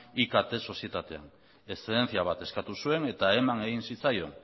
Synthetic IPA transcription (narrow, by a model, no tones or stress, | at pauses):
ikat̪e̞so̞sie̞t̪at̪e̞a̰n | e̞steðenθiaβ̞at̪e̞skat̪usue̞ne̞t̪ae̞mane̞ɣinsit͡sajo̞̰n